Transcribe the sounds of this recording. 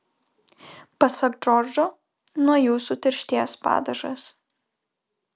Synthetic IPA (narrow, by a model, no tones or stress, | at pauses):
pɐsɐkd͡ʒɔɾd͡ʒʲoː | nuɔjuːsut̪ʲɪɾʲʃʲt̪ʲiɛspɑ̰ːd̪ɐʒɐ̰s